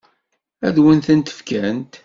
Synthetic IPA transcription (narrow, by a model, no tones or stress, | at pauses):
æðwənθənt̪ə̥fkænt̪